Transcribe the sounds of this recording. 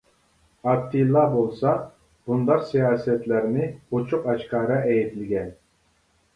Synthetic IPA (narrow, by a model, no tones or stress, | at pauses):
ɑt̪ːilˠːɑbolˠsɑ | b̥und̪ɑɾsijɑːsɛt̪læɾnɪot͡ʃʰuqɑt͡ʃkɑːɾɑʔɛjit̪lɪɡʲɛn